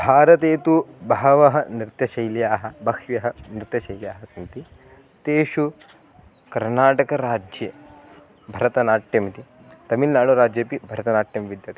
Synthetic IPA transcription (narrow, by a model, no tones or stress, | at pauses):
bʱaːɾɐt̪eːt̪ubɐɦɐʋɐɦɐ̆nɾɪt̪jɐʃɐjljaːɦɐ̆bɐkʃʋjɐɦɐnɾɪt̪jɐʃɐjlija̰ːɦɐsɐnt̪i | t̪eːʃu | kɐɾnaːʈɐkɐɾaːd͡ʒjɐ | bʱɐɾɐt̪ɐnaːʈjɐmt̪i | t̪ɐmilnaːɭuɾaːd͡ʒjɐpibʱɐɾɐt̪ɐnaːʈjɐmʋid̪jɐt̪